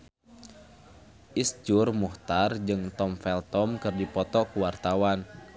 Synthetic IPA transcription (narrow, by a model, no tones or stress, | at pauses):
ʔisd͡ʒurmuht̪ard͡ʒɨŋt̪ɔmfɛlt̪ɔmkɨrdipɔt̪ɔkuwart̪awan